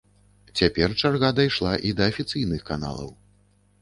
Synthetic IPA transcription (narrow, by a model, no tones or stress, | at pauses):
t͡sʲapʲɛrt͡ʂarɣad̪ajʂlˠaʔid̪ɐːfʲit̪sɨjnɨxkana̰lˠɐ̰w